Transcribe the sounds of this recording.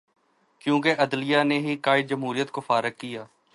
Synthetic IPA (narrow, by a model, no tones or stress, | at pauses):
kjõːk̬eʔɐd̪lijaːneɦikaːɪd̪d͡ʒəmɦuːɾijət̪kofaːɾəkːɪjaː